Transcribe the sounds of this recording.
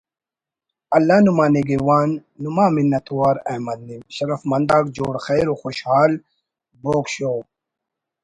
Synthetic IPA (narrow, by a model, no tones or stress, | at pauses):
ɐlːaːnumaːniɡiwaːnːumaːminːɐt̪uwaːɾɐ̰mɐd̪̚nimɕɐɾɐfmɐnd̪aːkd͡ʑoːɽxejɾoxoɕhaːl | boːkɕoː